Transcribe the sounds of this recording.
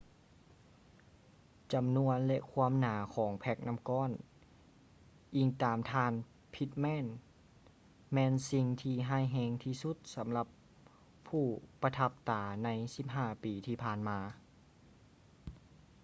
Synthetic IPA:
t͡ɕa˨˩mnu˧ənlɛ˧ʔkʰu˧˥˧ə˨mnaː˨˦kʰɔː˨˦ŋpʰɛ˧˩k̚na˧˥mkɔː˧˥˨n | ʔiː˨˩ŋt̪aː˨˩mt̪ʰaː˧n | pʰi˧˥t̪̚mɛː˧˥˨n | mɛː˧˨nsi˧ŋt̪ʰiː˧ɦaː˧˥˩jɦɛː˧ŋt̪ʰiː˧˩su˧˥t̪̚sa˩˦mla˧pʰː | uː˧˩pa˧t̪ʰa˧˥p̚t̪aː˨˦na˧˥jsi˧˥p̚ɦaː˧˥˩piː˨˦t̪ʰiː˧˩pʰaː˧˩nmaː˧

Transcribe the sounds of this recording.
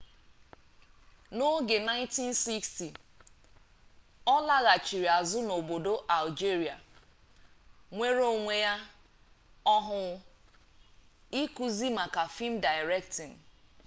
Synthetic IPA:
no˦ɡe˨na˦ɪ˦nti˦n̩˦si˦ksti˨ | ɔ˦la˦ɣa˨t͡ʃi˨ɾi˨a˨zʊ˦no˨bo˨do˦ʔa˨ld͡ʒi˦ɾi˨a˨ | ŋʷe˦ɾo˦˨ŋʷe˨ja˦ | ɔ˦ɦʊ˨˦ | i˦ku˨zi˦ma˨ka˨fi˦m̩˦da˨jɾɛ˦ktɪ˨n̩˨

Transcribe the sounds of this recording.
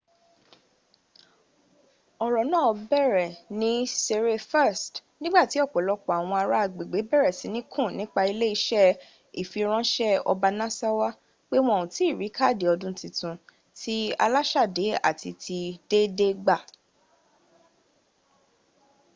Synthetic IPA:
ɔ˨ɾɔ˨nãː˦˨ɔ˧bɛ˦˨ɾɛ˨nĩ˦se˧ɾe˧fɛ˦˨stnĩ˦ɡ͡ba˦˨ti˨˦ɔ˦˨k͡pɔ˨lɔ˧k͡pɔ˨a˨w̃ɔ̃˧a˧ɾa˦a˧˨ɡ͡be˨ɡ͡be˨˦bɛ˦˨ɾɛ˨si˨˦nĩ˦kʰũ˦˨nĩ˦k͡pa˧i˧le˦i˧˦ʃɛ˦ | i˨fi˧ɾ̃ã˦ʃɛ˦ɔ̰˧ba˧nã˦sa˦wa˦ | k͡pe˦w̃ɔ̃˧o˨ũ˨ti˨˦i˦˨ɾi˨˦kʰa˦˨de˨ɔ˧dũ˦tĩ˧tũ˧ | ti˦a̰˧la˦ʃa˦˨de˨˦a̰˦˨ti˧tʰi˧de˦de˦ɡ͡ba˦˨

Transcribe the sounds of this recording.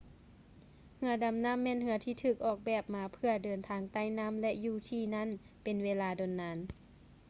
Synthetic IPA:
hɯ˧˦ɐda˨˦mna˧˥˨mːɛː˧˥˨nhɯ˧˦ɐt̪ʰiː˧˩t̪ʰɯː˧˩k̚ʔɔː˨˩k̚bɛː˨˩p̚maː˨˦pʰɯ˧ɐdɤː˨˩nt̪ʰaː˧ŋt̪a˧˥˨jna˧˥˨mlɛ˧ʔjuː˧˩t̪ʰiː˧˩na˧˥˨n | pe˨nweː˧˥laː˧do˨nːaː˧˥n

